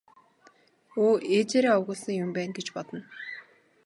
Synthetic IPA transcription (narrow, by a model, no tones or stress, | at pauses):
oːet͡ɕeːɾæːʊwɣʊ̆ɮsə̆ŋjʊmpæːnɡet͡ɕpɔt̪ɞ̆n